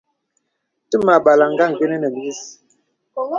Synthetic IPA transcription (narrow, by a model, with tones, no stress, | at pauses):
tə˦ma˨ɓa˨la˨ŋ˦ɡa˦˨ŋ˨ɡe˦nə˦nə˨m˨bi˦s